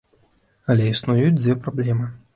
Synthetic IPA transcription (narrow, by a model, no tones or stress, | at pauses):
ɐlʲɛisnujut͡sʲd͡z̪ʲvʲɛpɾablʲɛmɨ